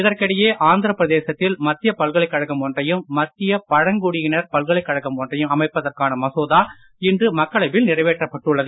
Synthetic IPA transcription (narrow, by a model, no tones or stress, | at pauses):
ɪðɐrkɐɽɪjeːʔaːnd̪ɯɾɐpɾɐðeːsɐt̪ːɪlmɐt̪ːɪjɐpɐlɣɐɭɐɪkːɐɻɐkːɐmɔndrɐjɯmːɐt̪ːɪjɐpɐɻɐŋɡuɽɪjɪnɐɾpɐlɣɐɭɐɪkːɐɽɐkːɐmɔndrɐjɯmɐmɐɪpːɐðɐrkaːnɐmɐsoːðaː | ɪndrɯmɐkːɐɭɐɪʋɪlnɪrɐɪʋeːʈrɐpːɐʈːɯɭːɐðɯ